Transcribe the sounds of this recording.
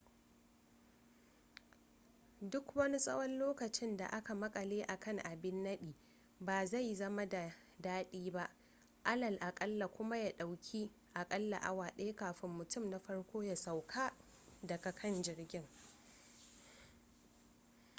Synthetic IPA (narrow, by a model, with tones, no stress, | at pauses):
dʊ˦kwɐ˦ni˦sʼɐ̰˦wɔ˦nloː˦kɐ˨t͡ʃɪ˦nda̰˨ʔa˦ka˨mɐ˦kʼɐ˨leː˦ʔa˨kɐ˦ŋʔa˨bɪ˦nːɐ˦ɗiː˨ | baː˨za˦˨jzɐ˦ma˦da˨ | daː˦ɗiː˦ba˦ʔ | ʔa˦lɐ˨lʔa˨kʼɐ˦lːa˨kʷʊ˦ma˦ja˦˨ɗa˨wkʲʰi˦ | ʔa˨kʼɐ˦lːa̰˨ʔa̰˦waː˨ɗe˦kaː˨ɸɪ˦mːʊ˨tʊ˦˨mna˦ɸɐ˦ɽkʷoː˦ja˨sa˨wkʰaː˦ | dɐ˨ka˨kʰɐ˦˨nd͡ʒɪ˨rɡʲɪ˦ŋ